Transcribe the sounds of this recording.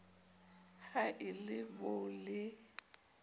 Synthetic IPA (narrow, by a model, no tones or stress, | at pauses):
haʔɪlɪbʊlɪ